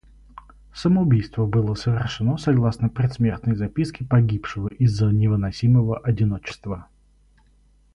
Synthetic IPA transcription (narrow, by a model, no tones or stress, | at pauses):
səməʊbʲijst̪vəbɨlˠəsəvʲɪrʂɨno̞sɐɡlˠasnəpɾʲɪt̪smʲe̞rt̪nəjzɐpʲiskʲɪpɐɡʲipʂɨvəʔizːənʲɪvɨnɐsʲiməvəʔɐdʲɪno̞t͡ɕɪ̥st̪və